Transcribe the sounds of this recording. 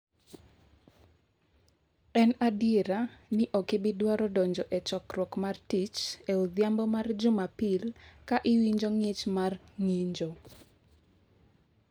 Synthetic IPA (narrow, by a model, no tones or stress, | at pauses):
ɛnadɪɾanɪʔɔkɪbɪdwaɾɔdɔɲd͡ʒɔʔɛt͡ʃɔkrwɔkmartit͡ʃɛod̪jambɔmard͡ʒʊmapilkaʔɪwiɲd͡ʒoŋɪt͡ʃmarŋiɲd͡ʒo